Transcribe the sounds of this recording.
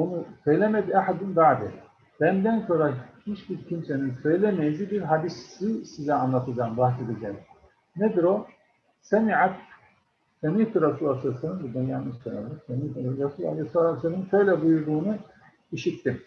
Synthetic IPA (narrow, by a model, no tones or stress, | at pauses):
onusø̞jlʲemɛd̪iaħad̪ind̪aːd̪i | b̥ænd̪ænso̞ɾahit͡ʃbiɾcʰimseninsø̞jlʲemejzibiɾɦad̪isisizɛanlˠat̪ʰɯd͡ʒaːnɯbaxse̞d̪ed͡ʒɛm | ned̪ɾo | sɛmiʕat̪ | semiːt̪uɾasulˠasɯsɯnnbud̪ajamɯsølɛisemit̪uɾɾasulˠa̰lˠejslˠasenɯnʃø̞jlʲɛbujuɾd̪uːnu | iʃit̪ːim